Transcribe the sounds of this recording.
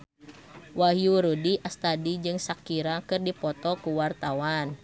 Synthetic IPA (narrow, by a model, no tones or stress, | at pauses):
waɦjuɾudiʔast̪adid͡ʒɨŋsakiɾakɨrdipɔt̪ɔkuwart̪awan